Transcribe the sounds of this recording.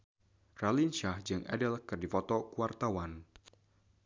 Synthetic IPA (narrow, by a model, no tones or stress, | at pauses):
ralinʃahd͡ʒɨŋʔɛ̰dɛlkɨrdifɔt̪ɔkuart̪awan